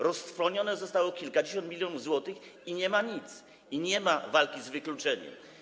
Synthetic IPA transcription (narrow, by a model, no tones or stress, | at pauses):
ɾɔst̪fɾɔɲɔnɛzɔst̪awɔkʲilkad͡ʑeɕ̬ɔnt̪mʲilʲjɔnuvzwɔt̪ɘxiɲɛmaɲit̪s | iɲɛmavalkʲizvɘklut͡ʂɛɲɛ̰m